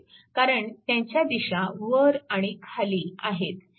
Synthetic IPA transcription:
kaɾəɳt̪jãɲt͡ɕjad̪iɕaʋəɾaɽ̃ikʰaliːaɦet̪

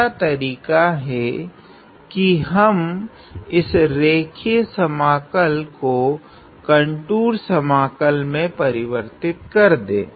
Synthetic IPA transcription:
at̪ɐɾiːkaɦɛ | kiɦɐm | ɪsɾeːkʰisɐmaːkəlko | kɐɳʈuːɾsɐmaːkəlmẽpɐɾɪʋəɾt̪ɪt̪̚kɐɾd̪ḛ̃ː

